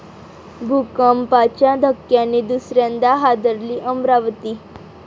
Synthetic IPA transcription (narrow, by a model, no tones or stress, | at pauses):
bʱukəmpat͡ɕjad̪ʱəkːjanːiːd̪usɾjãnd̪aɦad̪əɾliːʔəmɾaʋt̪iː